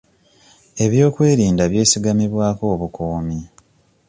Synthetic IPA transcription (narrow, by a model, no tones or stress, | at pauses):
e̞βjo̞ːkwe̞ːɾiːndaβje̞ːsiɡamiβwaːko̞ːβukoːmi